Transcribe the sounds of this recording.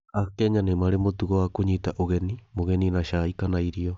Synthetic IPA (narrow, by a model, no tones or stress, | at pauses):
akɛɲanemaɾemotuɣɔwakoɲitaʔoɣɛnimoɣɛninaʃaikanaiɾiɔ